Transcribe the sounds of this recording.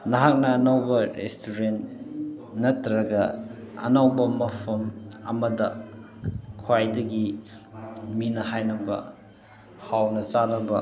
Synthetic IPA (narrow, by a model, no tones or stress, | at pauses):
naɦak̚nɐːnawbɐɾḛstʰuɾent | nɐtɾɐɡɐɐ̰nawbɐmɐpʰɐmɐmɐdɐ | kʰwajdɐɡi | minɐhajnɐbɐ̰ | hawnɐt͡ʃaɾɐbɐ